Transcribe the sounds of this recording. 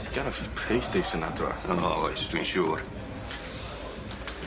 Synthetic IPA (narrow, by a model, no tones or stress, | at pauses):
ɡ̥anafpʰlejstejʃə̃nadra̰ɔwajsd̥wĩnʃuːɾ